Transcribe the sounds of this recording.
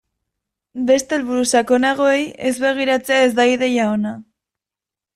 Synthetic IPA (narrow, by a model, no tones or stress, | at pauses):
be̞st̪e̞lβuɾusako̞naɣ̞o̞eje̞zβe̞ɣ̞iɾat͡se̞ae̞zd̪ajðe̞jaona